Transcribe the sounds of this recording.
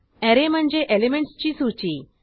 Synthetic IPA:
ɛɾem̤əɳd͡ʑeʔelemeɳʈst͡ɕiːsuɾt͡ɕiː

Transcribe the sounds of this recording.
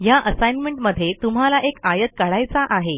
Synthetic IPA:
jaʔəsajnmeɳʈməd̪ʱːjet̪um̤alaʔekajət̪̚kaɭajt͡saʔaɦe

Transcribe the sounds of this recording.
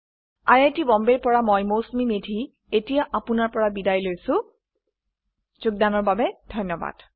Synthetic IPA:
ajajtibɔmbeɹpɔɹamɔjmosmimedʱi | etijaʔapʊnaɹpɔɹabidajlojsʊ̃ | z̥ʊɡ̚danɔɹbabɛdʱɔjnːɔba̰d̥

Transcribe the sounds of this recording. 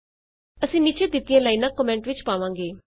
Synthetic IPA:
əsĩːnit͡ʃʰeːd̪ɪt̪ːɪijãːlaːiːnãːkːɔmɛ̃ːɳʈʋɪt͡ʃpaːʋãːŋɡeː

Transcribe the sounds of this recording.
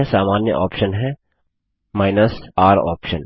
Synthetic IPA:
esaːmaːnjə̰ʔɔːpʃənɦɛ̃ | maːɪnəsaːɾɔ̰ːpʃən

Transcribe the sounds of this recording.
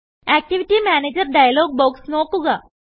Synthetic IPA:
ɛːk̚ʈɪʋɪʈimɛːneːd͡ʒəɾɖaːjloːɡ̚boːksnoːkuɡaː

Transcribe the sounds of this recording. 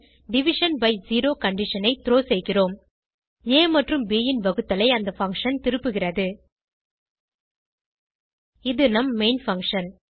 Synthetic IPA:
ɖɪʋɪʂɐnbɐɪziːɾoːkɐɳɖɪʂɐnɐɪt̪ɪɾoːsɛjɣɪroːm | eːmɐʈrɯmbeːjɪnʋɐɣɯt̪ːɐlɐɪɐnd̪ɐfɐŋkʂɐnt̪ɪɾɯpːɯɣɪrɐðɯ | ɪðɯnɐmːeɪnfɐŋkʂɐn

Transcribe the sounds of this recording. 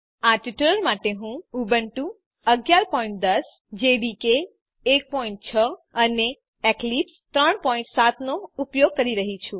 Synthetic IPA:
aʈuʈələɾmaʈeɦũubəɳʈũ | əɡjaɾpɔĩɳʈ̚d̪əs | d͡ʒeɖikeː | k̚pɔĩɳʈ̚t͡ʃʰəəne | eklipst̪ɾəɳpɔĩɳʈsat̪noupjoɡ̚kəɾiɾəɦit͡ʃʰũ

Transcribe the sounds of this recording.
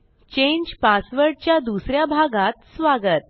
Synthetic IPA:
t͡ɕẽɲd͡ʑpasʋəɾɽt͡ɕjad̪usɾjabʱaɡãt̪sʋaɡət̪̚

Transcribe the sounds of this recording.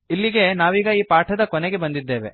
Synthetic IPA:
ilːiɡe̞naːʋiːɡɐiːpaːʈʰɐd̪ɐkɔneɡe̞bɐnd̪id̪ːe̞ːʋe̞̰

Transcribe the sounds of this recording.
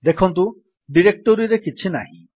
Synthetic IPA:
d̪ekʰɔnt̪̬u | ɖiɾek̚ʈɔɾiɾekit͡ʃʰina̰ɦḭ̃

